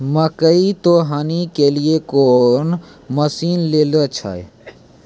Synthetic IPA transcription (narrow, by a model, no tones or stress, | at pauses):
məkəit̪oɦaːnikeliekonməsiːnleːlət͡ʃʰa̰j